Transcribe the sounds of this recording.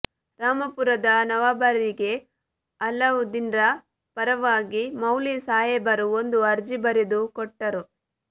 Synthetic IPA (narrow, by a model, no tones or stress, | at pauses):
ɾaːmɐpuɾɐd̪ɐnɐʋaːbɐɾiɡe̞ | ɐlːɐʋud̪inɾɐ | pɐɾɐʋaːɡimɐwlisaːjɛbɐɾuond̪uɐɾd͡ʒibɐɾed̪ukɔʈːɐɾu